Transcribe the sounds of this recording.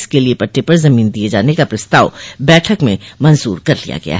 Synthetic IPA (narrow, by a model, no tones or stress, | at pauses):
skeliepɐʈːepɐɾzɐmiːnd̪ied͡ʒaːnekapɾɐst̪aːʋbɛːʈʰəkmẽmɐnzuːɾkɐɾlija̰ɡɐ̰ja̰ɦ